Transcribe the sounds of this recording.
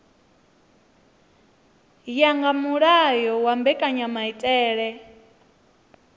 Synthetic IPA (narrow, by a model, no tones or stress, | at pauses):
jaŋɡamuɺajɔwambɛkʼaɲamaitʼɛːɺɛ